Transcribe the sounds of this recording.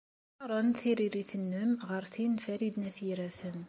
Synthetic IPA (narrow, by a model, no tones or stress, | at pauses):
ɾˤɑnθiɾiɾiθənːəmʁəɾθinfæɾid̪næθjiɾæθəm